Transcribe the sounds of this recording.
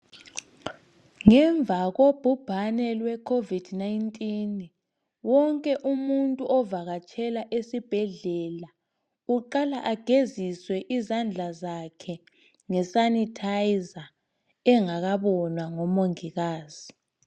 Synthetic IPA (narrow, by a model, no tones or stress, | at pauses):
ŋɛɱvʱaɣob̥ʱub̥ʱanɛlwɛkʰovid̥najntʼin | wɔŋkʼɛʔumuntʼuʔɔvaɣat͡ʃʰʼɛlaʔesib̥ʱɛɮɛla | uǃalaʔaɡ̥ʱeziswɛʔizand͡ɮʱazakʰɛ | ŋɛsanitʰajiza | ɛŋaɣaβɔnwaŋɔmoŋiɣaːz̥i